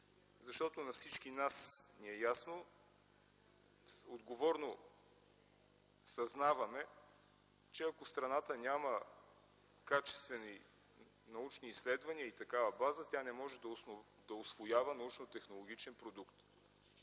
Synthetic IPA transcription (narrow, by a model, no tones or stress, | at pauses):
zɐʃt̪ɔt̪onɐfsit͡ʃkinasniɛjasno | od̪ɡovɔɾno | sɐznavɐmɛ | t͡ʃɛɐkost̪ɾɐnat̪ənʲamə | kat͡ʃɛ̥st̪vɛni | nɐut͡ʃniːslɛd̪vɐniəit̪ɐkavɐbazət̪ʲanɛmɔʒɛd̪ɐn | d̪ɐosvojavənɐut͡ʃnot̪ɛxnolˠoɡ̟it͡ʃɛnpɾod̪ukt̪